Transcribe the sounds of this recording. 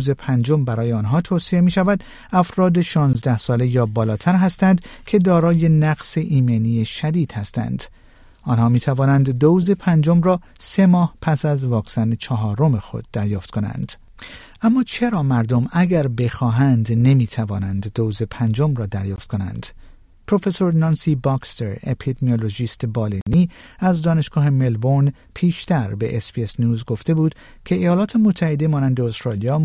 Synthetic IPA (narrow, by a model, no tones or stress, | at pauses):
ze̞pʰænd͡ʒombæɾɒːjeɒːnɦɒːt̪ʰoːsie̞miːʃævæd̪ | æfɾɒːd̪eʃɒːnzd̪æhsɒːle̞jɒːbɒːlɒːt̪ʰæɾɦæst̪ænd̪cʲʰe̞d̪ɒːɾɒːje̞næɡseʔiːmeniːjeʃæd̪iːd̪̥hæst̪æ̰nd̪̥ | ʔɒːnhɒːmiːt̪ʰævɒːnænd̪ːouze̞pʰænd͡ʒomrɒː | se̞mɒːhpʰæsæzvɒːksænet͡ʃʰɒɦɒːɾo̞me̞xo̞̰d̪ːæɾjɒːft̪̚kʰo̞næ̰nd̪̥ | ʔæmːɒːt͡ʃʰe̞ɾɒːmæɾd̪o̞mæɡæɾbe̞xɒːɦænd̪ne̞miːt̪ʰævɒːnænd̪ːoːzepʰænd͡ʒomrɒːd̪æɾjɒːft̪ko̞næ̰nd̪̥ | pʰɾo̞fe̞so̞ɾnɒːnsiːbɒkst̪eɾepʰid̪emioloʒiːst̪ebɒːleniːæzd̪ɒːne̞ʃɡ̥ɒːhe̞me̞lbon | pʰiːʃt̪æɾbe̞̰ʔesbiesnjuːzɡo̞ft̪e̞buːd̪̥ | cʲʰe̞ejɒːlɒːt̪ʰe̞mot̪ʰːæhe̞d̪e̞mɒːnænd̪eost̪ɾɑːlijɒː